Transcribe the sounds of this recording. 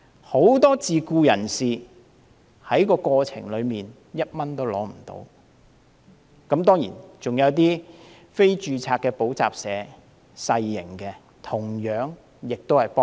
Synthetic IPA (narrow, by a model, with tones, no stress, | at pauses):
ho˨˥wt̪ɔː˥t͡siː˨˧kuː˧jɐ˨˩nsiː˨ | hɐ˨˥jkɔː˧kʷɔː˧t͡sʰɪ̰˨˩ŋlɵ˨˧miː˨n | jɐ˥t̚mɐ˥nt̪o˥wlɔ̰ː˨˥m̩˨˩t̪o̰˨˥w | kɐ˨˥mt̪ɔː˥ŋjḭː˨˩nt͡sʊ˨˩ŋjɐ˨˧wt̪̬iː˥ | fe˥jt͡ʃyː˨˧t͡sʰaː˧kːɛː˧po˨˥wt͡sa̰ː˨p̚sɛː˨˧˦ | sɐ˧jːɪ˨˩ŋkɛː˧ | t̪ʰʊ˨˩ŋjœː˨˥ŋ | jɪ˨k̚t̪o˥whɐ˨jpɔː˥